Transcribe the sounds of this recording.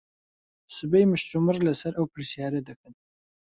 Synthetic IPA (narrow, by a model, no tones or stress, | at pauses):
sɨbejmɨʃt̪umɨrlɐsɐɾʔɐwpʰɨɾsijaːɾɐd̪ɨkʰɨn